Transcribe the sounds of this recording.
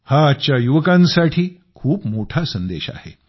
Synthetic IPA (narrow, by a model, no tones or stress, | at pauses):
haːt͡ɕjajuʋəkãnsaʈʰiː | kʰuːpmoʈʰasənd̪eɕa̰hḛ